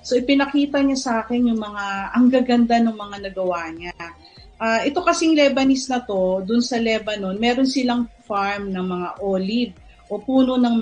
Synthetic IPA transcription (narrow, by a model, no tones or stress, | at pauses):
so̞ʔɪpɪnɐkiːt̪ɐɲasɐʔaːkɛnjʊŋmɐŋaʔɐŋɡaɡɐnd̪anʊŋmɐŋanɐɡɐwaːɲa | ʔaːʔɛt̪o̞kɐsiŋlɛːbɐnisnɐt̪o̞d̪ʊnsɐlɛbɐno̞nmɛːɾo̞nsɪlaŋfaɹmnɐŋmɐŋaʔoːlib̚ | ʔo̞puːno̞nɐŋm